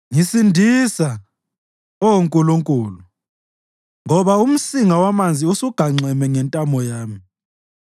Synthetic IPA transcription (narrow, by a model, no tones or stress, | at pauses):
ŋisindʱisa | ɔwoŋkʼuluŋkʼuːlu | ŋɔβaum̩siŋawamand͡zʱiusuɡ̥ʱaŋ͡ǀʱɛmɛŋɛntʼambʱɔjaːmi